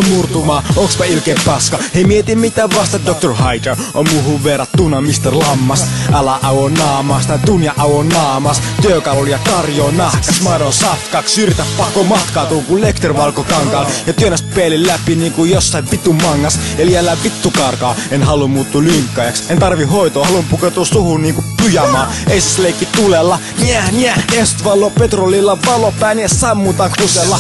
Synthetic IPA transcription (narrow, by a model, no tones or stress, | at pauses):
murt̪umɑːokspɑilkeːppɑskɑheimiet̪immit̪æːʋʋɑst̪ɑt̪dok̚t̪orhɑit̪er | ʔo̰mmuhuʋʋerɑt̪t̪unɑmist̪erlɑmːɑsʔɑlɑʔɑwonɑːmɑːst̪ɑt̪unjɑʔɑwonɑːmɑst̪yøkɑluljɑkɑrjoːnɑhkɑsmɑnosɑft̪kɑːkssyrjt̪æppɑkːomɑt̪kɑːt̪uːŋkullekt̪erʋɑlkokɑŋkɑːljɑt̪yønæst̪peːlːillæpiniːŋkujjosːɑiʋʋit̪umɑŋːɑseliælːæʋʋit̪ːukɑrkɑːenhɑlummuːt̪ːuːlyŋkːɑjɑksent̪ɑrʋihhoit̪oːhɑlumpuket̪uːssuhunniːŋkupyjæmɑːeisisleikːit̪ulelːɑ | niæniæest̪ʋɑlːˑoːpet̪rolilːɑʋɑlopæinessɑmːut̪ɑkuselːɑ